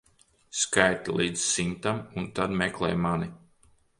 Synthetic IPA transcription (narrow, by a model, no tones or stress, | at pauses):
skajt̪ilˠiːd̪zsint̪amunt̪ad̪mɛklˠɛ̰jmani